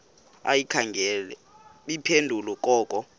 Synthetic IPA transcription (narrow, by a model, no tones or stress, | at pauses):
a̰jikʰaŋʱɛlɛ | ɓipʰendʱulɔkʼɔːkʼɔ